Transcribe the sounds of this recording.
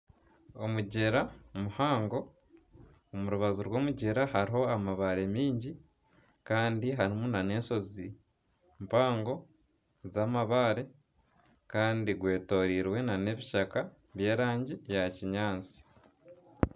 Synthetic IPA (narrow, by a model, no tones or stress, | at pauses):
o̞muɟe̞ɾamuhaːŋɡo̞ | omuɾuβazuɾwo̞ːmuɟe̞ɾaɦaɾiɦo̞amaβaɾe̞miːɲɟi | kaːndiɦaɾimunane̞ːnso̞zi | mpaːŋɡo̞ | zaːmaβaɾe̞ | kaːndiɡwe̞ːto̞ːɾiːɾwe̞nane̞βiʃaka | βje̞ːɾaːɲɟijaciɲaːnt͡si̥